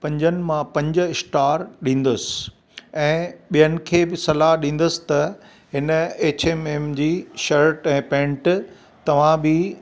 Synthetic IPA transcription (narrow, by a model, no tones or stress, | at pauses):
pɐ̃ɲd͡ʑənɪ̆mãpɐ̃ɲd͡ʑʊ̆ɪsʈaːɾɗĩːn̆d̪əsɪ̥ | ɛ̃ːɓijənɪ̆kʰeːbɪsɐlaɦɗĩːn̆d̪əsɪ̥̆t̪ɐ | ɦɪnəeːt͡ɕʰememd͡ʑiːʃɐɾʈɛ̃ːpɛ̃ːɳʈ | t̪ɐʋ̤ãbɪ